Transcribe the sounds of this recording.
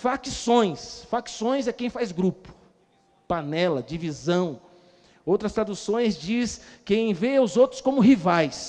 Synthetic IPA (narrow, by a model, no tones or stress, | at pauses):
fakisõj̃sfaksõj̃zɛkẽj̃fajzɡɾupʊ̥ | panɛlɐd͡ʒivizɐ̃w̃ | owt̪ɾɐst̪ɾad̪usõj̃zd͡ʒiskẽj̃vejaʊzowt̪ɾʊskõmʊɦivajs